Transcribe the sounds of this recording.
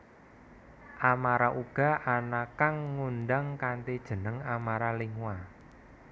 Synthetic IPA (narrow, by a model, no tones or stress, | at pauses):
ʔamaɾaʔuɡ̥a̤ʔanakaŋːunɖaŋkanʈed̥ʒ̥ə̤nəŋamaɾaliŋwa